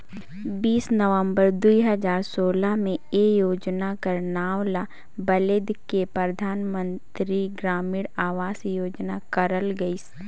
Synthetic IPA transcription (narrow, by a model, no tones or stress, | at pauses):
biːsnəʋə̃mbəɾd̪uiɦəzaːɾsoːlamẽejoːd͡ʒnakɐɾnaːwla | bɐlɪd̪kepɾəd̪ʱaːnmə̃nt̪ɾiɡɾaːmiːɽaːʋaːsjoːd͡ʒnakɐɾəlɡɐis